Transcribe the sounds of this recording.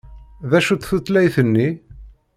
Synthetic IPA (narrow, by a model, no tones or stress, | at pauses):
ðæʃut̪θut̪ːlæjθənːi